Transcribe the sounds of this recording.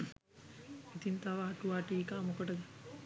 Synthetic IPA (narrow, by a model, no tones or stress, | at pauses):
it̪int̪aʋaːʈuʋaʈiːkaːmokəʈəd̪